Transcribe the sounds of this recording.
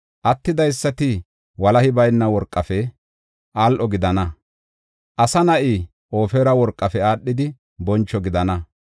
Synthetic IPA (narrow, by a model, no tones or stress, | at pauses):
ʔɐt̪ːɪd̪ɐjsːɐt̪ɪ | wɐlɐhɪbɐjnːɐwɔɾkʼːɐfɛ | ʔaːlʔɔɡɪd̪ɐnɐ | ʔɐsɐnɐʔɪ | ʔo̞ːfeːɾɐwɔɾkʼːɐfɛaːɗːɪd̪ɪ | bɔnt͡ʃːɔɡɪd̪ɐnɐ